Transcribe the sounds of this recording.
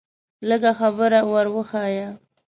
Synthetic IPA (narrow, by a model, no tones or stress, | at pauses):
ləɡaxabəɾawaɾwəxaja